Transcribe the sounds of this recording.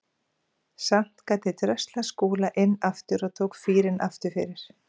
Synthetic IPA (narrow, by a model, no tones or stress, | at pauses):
sam̥t̪kaːt̪ɪt̪ɾœst̪laskuːlaʔɪnːaft̪ʏɾɔðt̪ʰoːwkfiːɾɪnʔa̰ft̪ʏɾ̥fɪ̰ɾɪɾ̥